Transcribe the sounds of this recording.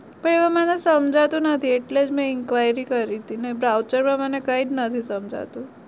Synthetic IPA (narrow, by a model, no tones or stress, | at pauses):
pəɳeʋamanesəmd͡ʒʱat̪unət̪ʰieʈled͡zmə̃iŋkʋajɾikəɾit̪inebɾawt͡ʃəɾpɾəmanekaiːd͡znət̪ʰisəmd͡ʑʱa̰t̪u